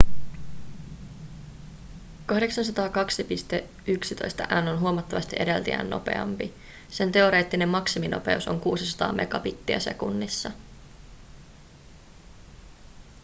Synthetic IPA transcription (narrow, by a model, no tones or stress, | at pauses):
kɑhde̞ksɑns̬ɑt̪ɑːkɑksipist̪e̞ | yksit̪o̞jst̪ɑʔænːo̞nɦuomɑt̪ːɑʋɑst̪iʔedelt̪iæ̰nːo̞̰pe̞̰ɑ̰mpi | se̞nt̪e̞o̞ɾe̞ːt̪ːine̞mːɑksimino̞̰pe̞̰uso̞ŋkuːsisɑ̥t̪ɑ̰ːmʔe̞̰ɡɑpit̪ːiæse̞̰kunːisːɑ